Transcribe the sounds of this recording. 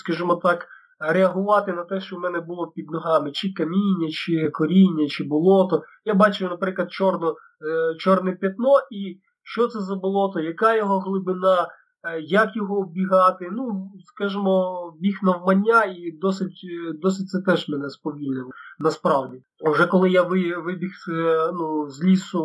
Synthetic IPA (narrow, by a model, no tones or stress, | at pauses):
skɐʒɪmɔt̪ɑk | ɾeɐɦʊʋɑt̪ɪnɐt̪ɛʃt͡ʃɔwmɛnɛbʊlˠɔpʲid̪nɔɦɑmɪt͡ʃɪkɐmʲinʲːɐt͡ʃɪkɔɾʲinʲːɐt͡ʃɪbʊlˠɔt̪ɔ | jabɑt͡ʃʊnɐpɾɪklˠɐd̪̚t͡ʃɔrnɔ | t͡ʃɔrnɛpʲjɐt̪nɔʔi | ʃt͡ʃɔt̪sɛzɐbʊlˠɔt̪ɔjɐkɑjɔɦɔɦlˠʊbɪnɑ | jɐkjɔɦɔbʲiɦɑt̪ɪnuskɑʒɪmɔbʲixnɐwmɐnʲːaid̪ɔsɪtʲd̪ɔsɪt̚ʲt̪sɛt̪ɛʒmɛnɛspɔʋʲilʲnɛnɐspɾɑwdʲi | wʒɛkɔlˠɪjaʋɪʋɪbʲixsɛnuzʲlʲisʊ